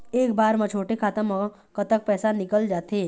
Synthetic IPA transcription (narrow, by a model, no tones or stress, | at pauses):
eːk̚baːɾmɐ̃t͡ʃʰoːʈekʰaːt̪əmɔ | kət̪ək̚pɛːsanɪkəld͡ʒaːt̪eː